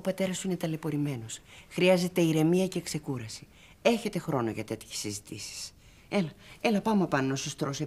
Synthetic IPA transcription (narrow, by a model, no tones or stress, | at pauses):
opɐt̪e̞ɾɐsuine̞t̪ɐle̞po̞ɾime̞no̞sxɾiɐze̞t̪e̞iɾe̞miɐce̞ːkse̞kuɾɐsi̥ | e̞çe̞t̪e̞xɾo̞no̞ʝɐt̪e̞t̪çe̥sizit̪ḭsi̥s | e̞lɐe̞lɐpɐmɐpɐnonosost̪ɾose